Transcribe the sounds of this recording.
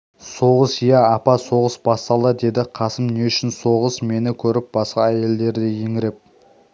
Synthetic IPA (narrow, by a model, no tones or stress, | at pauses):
so̞ʁəsjɑːpɑso̞ʁəsbɑst̪ɑlˠd̪əd̪e̞d̪ɪqʰɑsəmne̞ʏʃɪnsoʁəsme̞nɪkʲʰɵɾɪp̚b̥ɑsqɑæje̞ld̪e̞ɾd̪ɪjeŋɪɾep̚